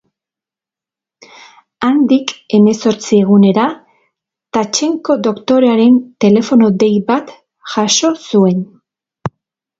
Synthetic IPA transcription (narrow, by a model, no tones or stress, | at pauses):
and̪ike̞me̞so̞ɾt͡sie̞ɣ̞une̞ɾa | t̪at͡ʃe̞ŋko̞d̪o̞kt̪o̞ɾeaɾe̞nt̪e̞le̞fo̞no̞d̪e̞jβat̪ | ʝaʃo̞sue̞n